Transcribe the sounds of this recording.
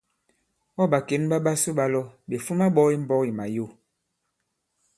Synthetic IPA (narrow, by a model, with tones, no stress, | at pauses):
ɔ˦ɓa˨ke˨˦nɓa˦ɓa˦su˦ɓa˦lɔ˦ɓe˨fu˦ma˦ɓɔ˦i˦m̩˦bɔ˦ki˨ma˨jo˦˨